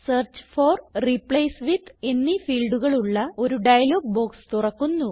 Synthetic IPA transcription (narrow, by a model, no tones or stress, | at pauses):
sɐːrt͡ɕforripɭejsʋiðe̞nːifiːlɖuɣɐɭuɭːɐo̞ɾuɖɐjɐlo̞ːɡ̚bo̞ːkst̪urɐkːunːu